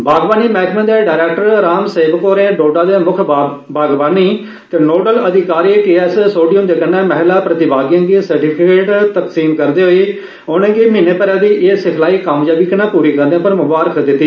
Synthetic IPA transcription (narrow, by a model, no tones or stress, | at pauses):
bʱaːɡbaːniːmɛːk̪ʰmə̃ːd̪eːɖaːɾɛːkʈəɾɾaːmseːbkoːɾẽːɖoːɖaːd̪eːmʊkʰ | bʱaːɡbaːniː | t̪eːnoːɖələd̪ʱɪkaːɾiːʈiːɛːssoːɖiəmd̪eːkənːeːmɛɦlaːpɾət̪ɪbaːɡijãːɡ̪iːsəɾʈiːpʰɪkeːʈt̪əksiːmkəɾd̪iːɦoːiː | oːnẽːɡiːmĩːneːpəɾaːd̪iːʔeːsɪkʰlaːiːkaːmd͡ʒaːbiknãːpuːɾiːkəɾd̪eãːpəɾməbaːɾəkd̪ɪt̪ːiː